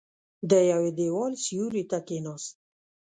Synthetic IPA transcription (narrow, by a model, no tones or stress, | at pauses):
d̪əjawed̪ewɔlsijuɾit̪akenɔs